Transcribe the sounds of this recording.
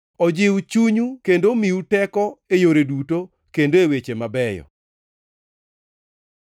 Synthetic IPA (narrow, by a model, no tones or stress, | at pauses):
ɔd͡ʒɪwt͡ʃuɲukendomiutɛkɔejoɾeduto | kendoewet͡ʃemabɛjɔ̰